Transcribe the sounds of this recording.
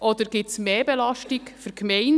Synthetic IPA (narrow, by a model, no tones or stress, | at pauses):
ʔɔd̪əɾɡ̥ɪtsmeːbɛlɑʃtikfʏɾkmɛɪn